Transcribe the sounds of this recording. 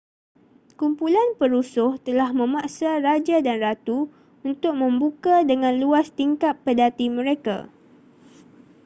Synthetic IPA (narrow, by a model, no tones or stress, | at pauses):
kumpulanpəɾusʊht̪əlahmə̃maʔsarad͡ʒadanrat̪u | unt̪ʊk̚mə̃mbukadəŋãnluast̪iŋkapːədat̪imə̃ɾeka̰